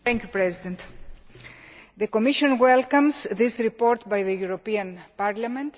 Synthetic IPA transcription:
θɛ̃ŋkjupɾɛzid̪ẽnt̪ | ðekomiʃõnwɛlkãmsðisɾipoɾt̪bajðejuɾopiãnpaɾlamẽnt̪

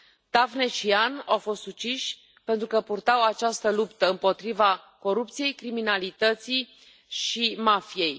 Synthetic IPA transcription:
t̪avnet͡ʃianawfo̞st̪sut͡ʃiʃʲ | pe̞nt̪ɾukəpurt̪awat͡ʃast̪əlupt̪əɨmpo̞t̪ɾivako̞ɾup̚t̪sije̞jkɾiminalit̪ət̪si | ʃimafije̞j

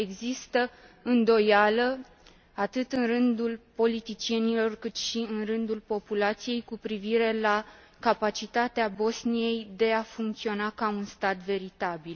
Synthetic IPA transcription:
e̞ɡzist̪əɨnd̪o̞jalə | at̪ɨt̪ɨnrɨnd̪ulpo̞lit̪it͡ʃie̞nilo̞rkɨt̪ʃiɨnrɨnd̪ulpo̞pulat̪sije̞jkupɾiviɾe̞la | kapat͡ʃit̪at̪eabo̞snije̞jd̪e̞afuŋkt̪sio̞nakaunst̪at̪ve̞ɾit̪abil

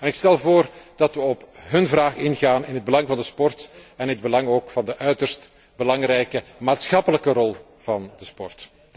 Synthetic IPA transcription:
ɛnɪkstɛlˠvoːrd̥ɑtwʋəɔpɦɵnvraːχɪnɣaːnɪnɦəd̚bəlɑŋvɑndəspɔrtɛnəd̚bəlɑŋoːkfɑndəʔœɥtərst | bəlɑŋrɛjkəmaːtsxɑpələkərɔlˠ | v̥ɑndəspɔrt

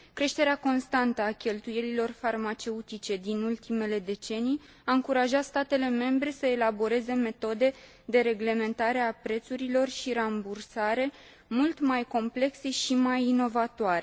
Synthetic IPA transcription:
kɾe̞ʃt̪e̞ɾeako̞nst̪ant̪əakʲe̞lt̪uje̞lilo̞rfarmat͡ʃe̞ut̪it͡ʃe̞d̪inult̪ʰime̞le̞d̪e̞t͡ʃe̞nij | aɨŋkuɾaʒat̪st̪at̪e̞le̞me̞mbɾe̞səe̞labo̞ɾe̞ze̞me̞t̪o̞d̪e̞ | d̪e̞ɾe̞ɡle̞me̞nt̪aɾe̞apɾe̞t̪suɾilo̞rʃiɾambursaɾe̞ | mult̪majko̞mple̞kse̞ʃimajino̞vat̪oaɾe

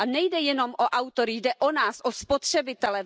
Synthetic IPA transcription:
anɛjdɛjɛno̞mʔoʔawt̪oɾɪjdɛʔonaːsʔospot̪r̝̥ɛbɪt̪ɛlɛ

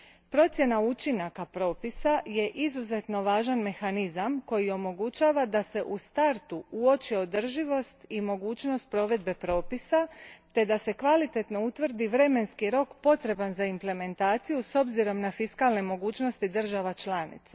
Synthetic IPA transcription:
pɾo̞t̪sje̞naut͡ʃinakapɾo̞ːpisaje̞ʔizuze̞t̪no̞ʋaːʒanme̞xanizamko̞jio̞mo̞ɡut͡ʃaːʋad̪ase̞ʔust̪aɾt̪uuo̞t͡ʃio̞d̪r̩ʒiʋo̞st̪imo̞ɡuːt͡ɕno̞st̪̚pɾo̞ʋe̞d̪̚be̞pɾo̞ːpisat̪e̞d̪ase̞kʋalit̪e̞t̪no̞ut̪ʋr̩d̪iʋɾe̞me̞nskiɾo̞kpo̞t̪ɾe̞banzaimple̞me̞nt̪aːt̪sijuso̞bziɾo̞mnafiskaːlne̞mo̞ɡuːt͡ʃno̞st̪id̪r̩ʒaʋat͡ʃlanḭt̪sa

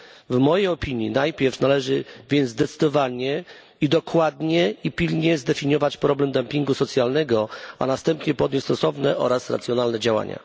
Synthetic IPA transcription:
vmɔjejɔpʲiɲinajpʲjɛɾfnalɛʐɘvʲjɛnd̪zd̪ɛt̪sɘ̥d̪ɔvaɲɛ | id̪ɔkwad̪ɲɛipʲilɲɛzd̪ɛfʲiɲɔvat͡ɕpɾɔblɛmd̪ampʲiŋɡusɔt̪sʲjalnɛɡɔa̰nast̪ɛmpɲɛpɔd̪ɲest̪ɔsɔvnɛʔɔɾasɾat̪sʲjɔnalnɛd͡ʑawa̰ɲa̰

